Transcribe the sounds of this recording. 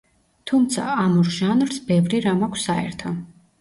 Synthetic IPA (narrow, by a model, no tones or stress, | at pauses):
t̪ʰumt̪sʰa̰amuɾʒanɾsbɛvɾiɾamakʷʰsaɛ̰ɾt̪ʰɔ